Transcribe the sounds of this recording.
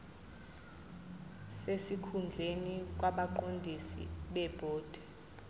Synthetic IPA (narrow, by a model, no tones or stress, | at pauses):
sesikʰund͡ɮʱenik̬ʼwaɓaǃondʱisḭɓɛb̥ʱoːd̥ʱɛ̥